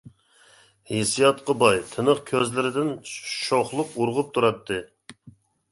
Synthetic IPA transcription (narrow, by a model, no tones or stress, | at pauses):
hesijɑt̪qɑbɑjt̪ʰɨnəχkʲʰøzlɪɾɪd̪ɪnʃoχlˠʊquɾʁʊp̚t̪ʰuɾɑt̪ʰːɨ